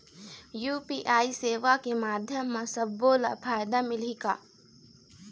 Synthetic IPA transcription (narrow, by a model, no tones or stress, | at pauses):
juːpiːʔaːiseːʋakemaːd̪ʱjəmːẽsɐbːoːlapʰaːjd̪amɪlikaː